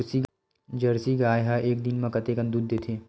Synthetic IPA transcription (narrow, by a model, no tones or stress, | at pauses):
ɾsi | d͡ʒɐɾsiɡaːjɦaʔeːk̚d̪ɪnmɐ̃kɐt̪eːkɐ̃nd̪uːd̪ːeːt̪ʰeː